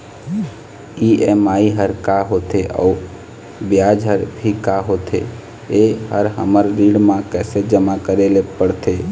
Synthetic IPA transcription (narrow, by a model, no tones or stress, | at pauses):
iemaːiɦəɾkaɦot̪ʰeʔɔ̰ | bjaːd͡ʒɦəɾbʱikaɦot̪ʰḛ | ehəɾɦə̰məɾɾiːɽmãkɛːsed͡ʒəmakəɾelepəɽt̪ʰe